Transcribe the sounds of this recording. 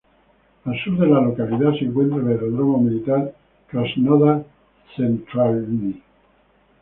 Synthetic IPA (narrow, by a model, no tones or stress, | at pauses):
alsuɾd̪elalokalit̪asieŋkwent̪ɾaleeɾoðɾɔmamilit̪ar | kɾasnɔða | sent̪ɾalni